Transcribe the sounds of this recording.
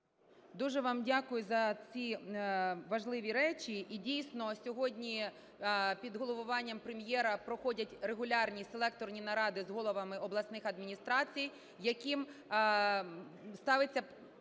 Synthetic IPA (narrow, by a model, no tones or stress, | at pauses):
d̪uʒɛʋɑmdʲakʊjʊzɐt͡sʲi | ʋɐʒlˠɪʋʲiɾɛt͡ʃʲiʔidʲijsnɔsʲɔɦɔdʲnʲi | pʲid̪ɦɔlˠɔʋʊʋɑnʲːɐmpɾemjɛɾɐpɾɔxɔdʲɐtʲɾeɦʊlʲɑrnʲiselˠɛk̚t̪ɔrnʲinɐɾɑd̪ɪzɦɔlˠɔʋɐmɪɔblˠɐsnɪxɐd̪mʲinʲist̪ɾɑt͡sʲij | jɐkʲim | st̪ɑʋɪt͡sʲːɐ